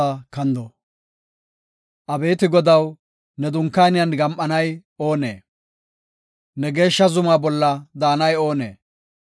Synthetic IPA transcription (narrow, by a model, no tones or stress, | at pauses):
ɐkɐnd̪ɔ | ʔɐbe̞ːt̪ɪɡɔd̪ɐw | nɛd̪ʊŋkːɐjnɪjɐnɡɐmʔɐnɐjo̞ːnḛː | nɛɡe̞ːʃːɐzʊmaːbɔlːɐd̪aːnɐjo̞ːnḛː